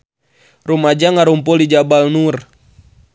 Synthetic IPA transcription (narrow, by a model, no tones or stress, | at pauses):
rumad͡ʒaŋaɾumpɔlid͡ʒabalnur